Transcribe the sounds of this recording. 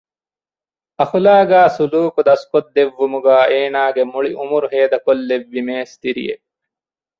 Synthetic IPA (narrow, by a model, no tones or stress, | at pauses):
ɐxulaːɡaːsuluːkud̪ɐskot̪̚d̪eʋːumuɡaːeːnaːɡemuɭiʔumuɾɦeːd̪ɐkolːeʋːimeːst̪iɾḭjḛ